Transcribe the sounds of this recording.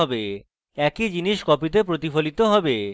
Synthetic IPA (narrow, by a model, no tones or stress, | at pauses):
ɔbe | ɛkid͡ʑiniʃkɔpit̪ep̬ɾot̪ifolit̪oɦɔbe